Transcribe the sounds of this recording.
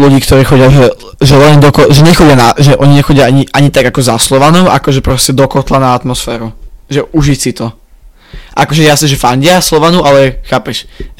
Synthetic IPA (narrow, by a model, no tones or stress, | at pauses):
luɟiːkt̪ɔɾiːxɔɟɪaʒɛ | ʒɛlɛɲɛd̪ɔkɔʒɛɲɛxɔɟɪanaʒɛʔɔɲiɲɛxɔɟɪjaaɲiʔaɲit̪aɡakɔzaslɔʋanɔʊʔakɔʒɛpɾɔscɛd̪ɔkɔt̪lanaat̪mɔsfɛːɾuʒɛʔuʒisit̪ɔ | ʔakɔʒɛjasnɛʒɛfaɲɟɪaslɔʋanuʔalɛxaːpɛʃ